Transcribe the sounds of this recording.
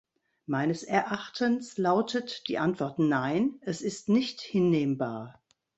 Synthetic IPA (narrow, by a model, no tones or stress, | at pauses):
maɪnəsɛɐʔaχtʰənslaʊtʰətd̥ḭːʔantv̥ɔɐtnaɪnʔɛsɪstnɪçthɪnːeːmbaːɐ